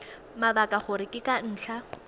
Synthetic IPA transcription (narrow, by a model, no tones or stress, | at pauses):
mabakʼaχʊɾɪkʼɪkʼan̩ːɬʰa